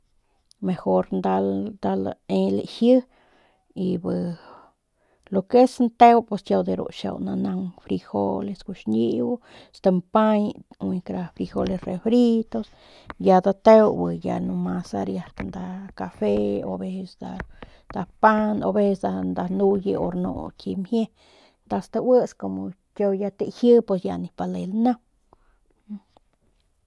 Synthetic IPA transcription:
mexoɾnd̪ald̪al̰elḛhjɨ | ibɨ | lokesnt̪ewpesjawd̪eɾo̰ʃa̰wna̰naŋfɾixo̰leskuʃɲibu | st̪ampaɲwikɾafɾixolesrefɾit̪os | jad̪at̪ewbɨja̰numasa̰ɾjahknd̪akafeo̰besd̪a̰ | d̪apano̰bessd̪and̪anujɨ̰o̰ɾno̰kʲimhje | t̪ast̪awəskomo | kʲojat̪ehɨpesjanipalelna

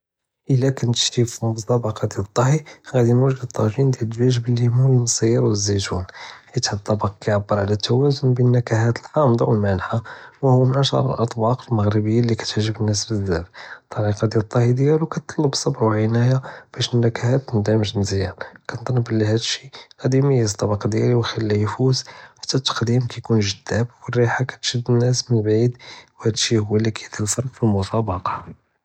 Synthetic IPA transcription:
ʔəlːækænt̪ə̥ʃt̪ifibət̪ˤːɑbɑqɑd̪jælət̪ˤːɑhiɣæd̪inwəʒdəd̪t̪ˤːɑʒind̪jæləwæʒəbəlːimuəlmsˤijəɾwzːit̪unhit̪ħət̪ˤːɑbɑqkæjʕabːəɾˤʕalæt̪ʰːæwæzʊnbinːækæhæt̪əlħɑmd̪ˤɑwəlmænħawhʊwːæmʕaʃɑ̰ɾˤə̰lʔɑt̪ˤbɑqəlməɣɾəbəjːalːikæ̥t̪ʕʒːəbənːəs̬bəzːæft̪ˤːɑɾiqɑd̪jæt̪ˤːɑhid̪əjælukæt̪ˤːɑlːəbsˤɑbʕwʕənæjab̥æʃʔənːəkæhæt̪ːnd̪æməʃnzjælkænt̪ˤɑlːəbəlːiɦæd̪ʃiqæd̪iməjəst̪ˤɑbɑqd̪jæliwxilːæjfuzħḁt̪ːæt̪ːə̥qd̪imkæjkunʒəd̪̥ːæbwərːiħakæ̥t̪ʃəd̪ːənːæsmənbʕid̪whæd̪ʃihʊwːælːikʰæjt̪əlfɑɾˤqfilmʊt̪ˤɑbɑqɑ̥

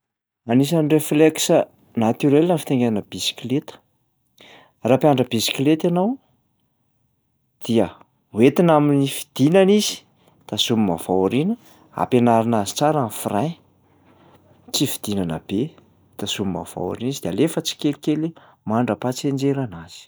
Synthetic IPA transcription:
anis̬anrefleksə | nat̪yɾelənfi̥t̪eŋɡeanəb̥isi̥klet̪ə̥ | rapiaɳɖ͡ʐəbisi̥klet̪anaw | d̪̥iə | wet̪inaminifi̥d̪̥inanizi̥ | t̪asumima̰v̥awaɾinə | a̰penaɾinazi̥t͡saɾanfraj | t͡sifi̥d̪̥inana̰b̥e | t̪asumima̰va̰w̰ɾinizid̪ealefət͡si̥kelikeli | maɳɖ͡ʐəpat͡send͡ʒeɾanaz̥i̥

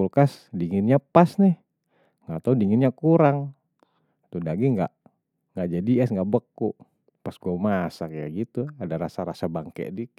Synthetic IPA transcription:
ulkasdiŋɪnɲapasnɛh | ŋat̪audiŋɪnɲakuɾaŋ | t̪udaɡiŋɡa̰ʔ | ŋɡad͡ʒadiɛsŋɡaʔbəkːuʔ | pasɡuamasakajaɡit̪uadaɾasaɾasabaŋkɛ̰ʔdi

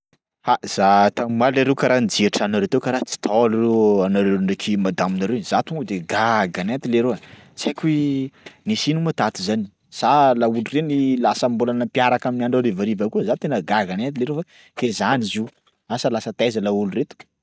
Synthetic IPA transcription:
haz̥at̪ammaleɾewkaɾand͡ʒiʈ͡ʂanaɾewt̪ewkaɾat͡si̥t̪ʰɔlureanaɾewɳnekʰimad̪aminaɾewiz̥at̪uŋd̪eɡaɡanant̪ileɾea | t͡sakʲuwenisinumat̪at̪izani̥ | z̥alaulurenilasəmbolanəmpjaɾakaminaɳɖ͡ʐaɾivaɾivakuəzat̪enəɡaɡanant̪ileɾefa | kezanizi | asəlasət̪azəlauluret̪u̥

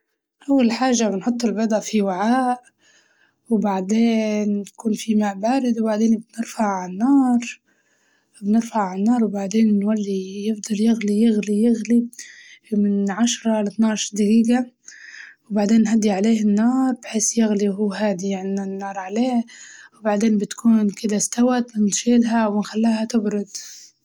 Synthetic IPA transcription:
ʔawːalħaːʒabɪnħʊt̪ˤːɪlbɑd̪ˤɑfiwaʕaːʔ | wbaʕd̪eːnkuːnfimabaːɾɪd̪wbaʕd̪eːnbnɪɾfaʕalanːɑːɾˤ | bnɪɾfaʕalanːɑːɾˤwbaʕd̪eːnːwalːijɪfd̪ˤɑljɪɣlijɪɣlijɪɣli | mɪnʕaʃɾˤɑlɪt̪nɑːʕʃd̪ɪɡiːɡa | wbaʕd̪eːnːɦad̪ːiʕaleːhɪnːɑːɾˤbħeːsjɪɣliɦuːɦaːd̪ijaʕniɪnːɑːɾˤʕaleːhwbaʕd̪eːmbɪt̪kʰuːnkɪd̪ast̪awat̪mɪnt̪ʃeːlɦawɪnxalːiːhat̪ɪbɾʊd̪

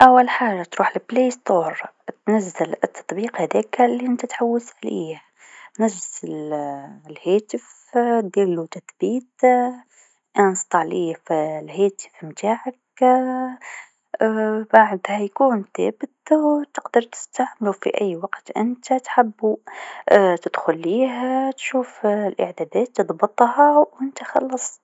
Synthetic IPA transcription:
ʔawːalħaːʒat̪ɾuːħlbleːst̪oːɾˤt̪nazːalt̪ːɑ̥t̪ˤbiːqhæd̪iːklːiʔɪnt̪at̪ħawːɪsʕaliːh | nazzɪl | lheːt̪ɪf | d̪iːlːut̪aθbiːt̪ | ʔænst̪ˤɑʕliːfilhæːt̪ɪ̥fmt̪aːʕak | baʕd̪hajkuːnθæ̰ːbɪt̪wt̪ɪqd̪ɑɾt̪ɪ̥st̪aʕmɪlufḭʔajːwaɡt̪ʔɪnt̪at̪ħɪbːu | t̪ɪd̪̥xʊlːiːɦat̪ʃuːflʔɪ̰ʕd̪æːd̪æːt̪ːɨðˤbɨt̪ˤhɑwʔɪnt̪axɑ̰lːɑsˤ

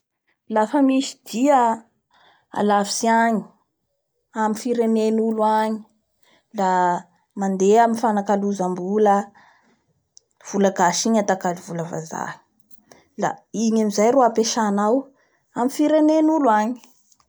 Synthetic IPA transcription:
lafəmisi̥d̪̥iə | a̰lavi̥siaɲi̥ | amifiɾenenuluaɲi̥ | la | mand̪eamifanakaluzambulə | v̥ulaɡaʃiɲat̪akalivuləva̰za̰i̥ | la̰iɲamizajɾoapeʃanaw | amifiɾenenulwaɲi̥

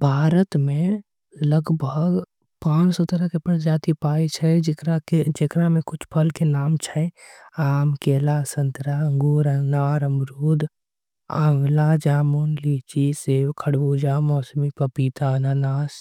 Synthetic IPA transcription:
bʱaːɾət̪mẽ | ləɡbʱəɡ | pãːt͡ʃsɔt̪əɾəkepəɾd͡ʒaːt̪ipaːit͡ʃʰɛkɾaed͡ʒekɾamẽkʊt͡ʃʰpʰəlkenaːmt͡ʃʰɛaːmkeːlasənt̪ɾaəŋɡuːɾənaːɾəmɾuːd̪ | a̰ːŋɡlad͡ʒaːmuːnlit͡ʃiseːwkʰəɽʋud͡ʒamɔːsmipəpiːt̪aənaːnaːs

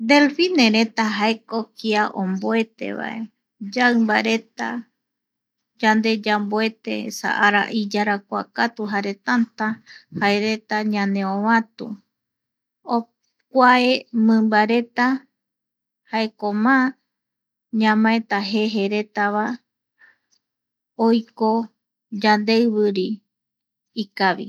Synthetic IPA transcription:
d̪e̞lfinẽɾe̞t̪aɦaekokiaʔõmboe̞t̪e̞̰βa̰ʔe | d͡ʒaɨmbaɾe̞t̪a̰ | d͡ʒand̪e̞d͡ʒamboe̞t̪ḛḛsa̰ʔaɾa̰ʔid͡ʒaɾakʷa̰kat̪uɦaɾe̞t̪ant̪ahaeɾe̞t̪aɲãnẽõβãt̪ṵ | o | kʷaemɨ̃mbaɾe̞t̪a | haekomã | ɲãmãẽt̪aɦe̞ɦe̞ɾe̞t̪aβa | ojko | d͡ʒand̪eɨβɨɾi | ikaβḭ

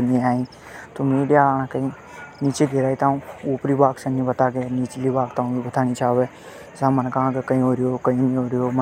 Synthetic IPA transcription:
niaːĩː | t̪omĩːɗjaːlaːñãkəĩ | niːt͡ʃeɡeɾaːit̪aːũuːpɾiːbaːksənĩbət̪aːɡeːniːt͡ʃliːbaːkt̪aːũbibət̪ʰaːnit͡ʃaːʋeː | zãːmənkaãːkekəĩːɦoːɾijoːkəĩːnĩːɦoːɾijoːmə

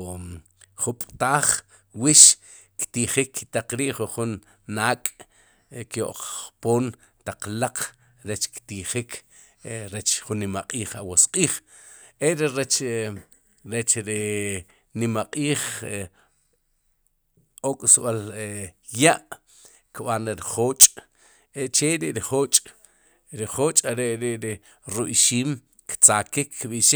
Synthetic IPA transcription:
χupʼt̪aːχ | wiʃ | kt̪iχikt̪aq͡χɾiːʔχuχunː | aːkʼ | kjo̰ʔq͡χːpoːn | t̪aq͡χlaq͡χ | ɾet͡ʃkt̪iχikʰ | ɾet͡ʃχunːimaqʼiːχawosqʼiːχ | eɾeɾet͡ʃ | ɾet͡ʃɾi | nimaqʼiːχ | okʼsɓal | jaʔ | kɓanɾeɾiχoːt͡ʃʼ | eʔt͡ʃeɾiʔɾiχoːt͡ʃʼ | ɾiχoːt͡ʃʼaɾeʔɾeʔɾi | ɾuɓʃiːm | kt͡saːkikːɓiʃi

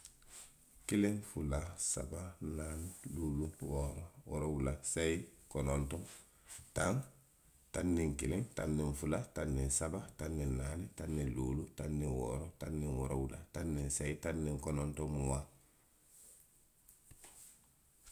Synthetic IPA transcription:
kiliŋfulasa̰bananluːluwɔɾɔwɔ̰ɾɔwulasaikɔnɔntɔ | taŋ | tanːiŋkilĩŋta̰nːĩɱfulatanːinsabatanːinaːnitanːiluːlutanːiwɔ̰ːɾɔtanːiŋwɔ̰ɾɔ̰wula̰tanːĩnsaitanːĩŋkɔnɔntɔmuwa

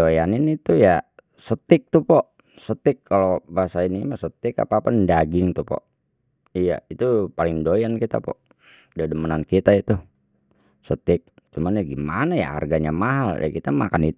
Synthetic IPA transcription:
ojanɪnit̪uja | sət̪ɪk̚t̪upɔ | sət̪ɪkʰːalobaasainimasət̪ɪka̰paːpandaɡɪŋt̪upɔ̰ʔ | ija̰it̪upalɪŋdojankit̪a̰pɔ̰ʔ | dadəmənankit̪ait̪u | sət̪ɪk̚ | t͡ʃumanjaɡimanaja̰ha̰rɡaɲamaɦalda̰kit̪amakanit̪

